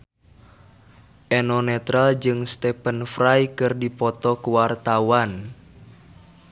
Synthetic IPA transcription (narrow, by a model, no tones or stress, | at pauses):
ʔɛnɔnɛt̪ɾald͡ʒɨŋst̪ɛpənfrajkɨrdipɔt̪ɔkuwart̪awan